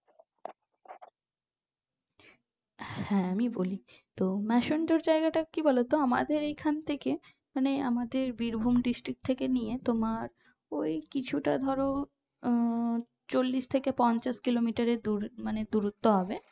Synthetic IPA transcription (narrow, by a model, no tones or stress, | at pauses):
hɛ̃amiboli | t̪omɛʃonɖoɾd͡ʑaeɡaʈakibɔlot̪oama̰d̪eɾejkʰant̪ʰeke | manea̰mad̪eɾbiɾbʱumɖisʈɾik̚t̪ʰekenijet̪omaɾ | ojkit͡ɕʰuʈad̪ʱɔɾo | t͡ɕolːiʃt̪ʰekepɔnt͡ɕaʃkilomiʈaɾed̪uɾmaned̪uɾut̪ːoɦɔbe